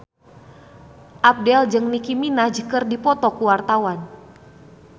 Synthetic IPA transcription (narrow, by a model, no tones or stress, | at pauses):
ʔap̚dɛld͡ʒɨŋnikiminad͡ʒəkərdipɔt̪ɔkuwart̪awan